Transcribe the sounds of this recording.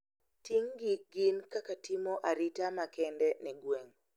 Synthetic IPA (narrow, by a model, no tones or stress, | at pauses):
tiŋɡiɡɪnkakatɪmɔʔaɾitamakɛndɛnɛɡwɛŋ